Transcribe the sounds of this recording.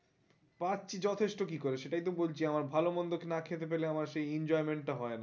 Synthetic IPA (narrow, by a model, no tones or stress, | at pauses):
paɾt͡ɕʰid͡ʑɔt̪ʰeʃʈokikoɾeʃeʈajt̪obolt͡ɕʰiamaɾbʱalobɔnd̪okenakʰet̪ep̬eleamaɾʃejind͡ʑɔemeɳʈːaɦɔena